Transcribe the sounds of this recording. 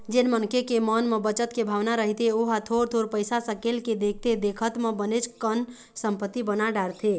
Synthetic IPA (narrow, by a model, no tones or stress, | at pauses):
d͡ʒenmənkekemənmebət͡ʃət̪kebʱaʋnaɾəɦit̪eoɦat̪ʰoɾt̪ʰoɾpəjsasəkelked̪ek̚ʰt̪ed̪ekʰət̪mebənet͡ʃkən | səmpət̪ːibənaɖaɾt̪ʰe